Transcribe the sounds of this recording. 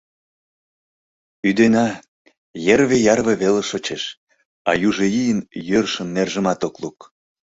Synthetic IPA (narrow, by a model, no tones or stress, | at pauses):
yd̪enɑ | jerβejɑrβĕβeleʃot͡ɕeʃ | ɑjuʒeijənjørʃəmnerʒəmɑt̪okluk